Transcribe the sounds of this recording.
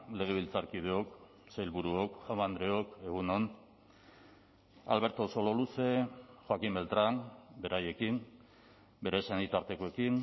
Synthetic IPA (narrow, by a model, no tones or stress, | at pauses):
le̞ɣ̞e̞β̞ilt͡saɾkið̞eo̞k | sejlβuɾuokʝawmand̪ɾe̞oke̞ɣ̞uno̞n | a̰lβe̞ɾt̪o̞so̞lo̞luse̞xwakimbe̞lt̪ɾanbe̞ɾaje̞kin | be̞ɾesenit̪aɾt̪e̞koe̞kin